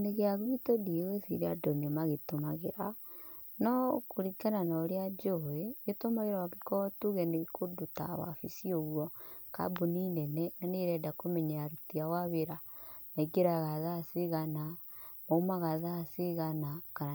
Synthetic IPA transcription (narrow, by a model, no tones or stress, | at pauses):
neɣeaɣitodieɣesḭɾeadɔnemaɣetomaɣeɾa | nɔkoɾikananaɾead͡ʒoeɣetomaɣeɾawakekɔtuɣɛneɣkʰoduta̰wa̰fisioɣwɔka̰buninɛnɛnaneɾɛːdakomɛɲaaɾutiawaβeɾamaiɡeɾaɣaðaːseɣana | moumaɣaðaseɣanakana